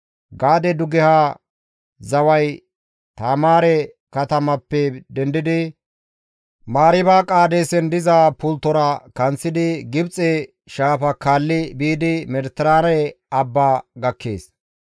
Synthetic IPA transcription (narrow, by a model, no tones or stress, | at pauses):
ɡaːd̪ɛd̪ʊɡɛha | zɐwɐj | t̪aːmaːɾɛ | kɐt̪ɐmɐpːɛd̪ɛnd̪ɪd̪ɪ | maːɾɪbaːkʼaːd̪ɛsɛnd̪ɪzaːpʊlt̪ːɔɾɐkɐnt͡sːɪd̪ɪɡɪbt͡sʼːɛ | ʃaːfɐkaːlːɪbiːd̪ɪmɛɾt̪ɪɾaːnɛjɐbːaːɡɐkʰːḛːs